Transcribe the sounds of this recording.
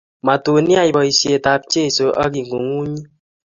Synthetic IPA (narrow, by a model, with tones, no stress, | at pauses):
ma˨to˨nja˦jbɔ˨i˨sje˨ta˨p̚t͡ʃe˦˨so˨ʔa˦ɡi˨ŋɡo˨ŋu˦ɲi˦